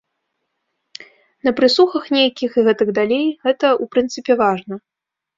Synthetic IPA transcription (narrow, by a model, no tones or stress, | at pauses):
nɐpɾɨsuxɐxnʲejɐkʲixiɣɛt̪ɨɡd̪alʲejɣɛt̪ɐupɾɨnt̪sɨpʲɛvaʐnɐ